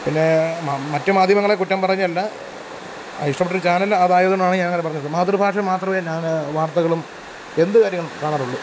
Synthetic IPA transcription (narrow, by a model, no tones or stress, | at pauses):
pinːe̞mamɐtːɨmaːd̪ʱjɐmɐŋːɐɭekutːɐmpɐrɐiɲːuɐlːɐ | ɐ̰jiʂʈɐmpːeʈːɐɾɨt͡ɕaːnɐlːðaːjðɳmaːɳɨɲaːnɐŋːɐnep̬ɐrɐɲːɐðɨmaːd̪rubʱaːʂɐmaːt̪rɐmeːɲaːnʋaːrt̪ɐɣɐɭum | e̞nd̪ɨkaːɾjɐŋːɐɭkaːɳaːruɭːu